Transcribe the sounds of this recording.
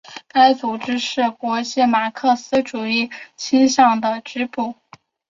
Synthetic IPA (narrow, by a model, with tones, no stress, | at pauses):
ka˥ɪt͡su˨˩ʈ͡ʂɻ̩˥ʂɻ̩˥˩kwɔ˧˥ɕjɛ˥˩ma˨˩kʰɤ˥˩sɹ̩˥ʈ͡ʂu˨˩i˥˩t͡ɕʰi˥nɕjɑ˥˩ŋd̪ə˩ʈ͡ʂɻ̩˥pu˥˩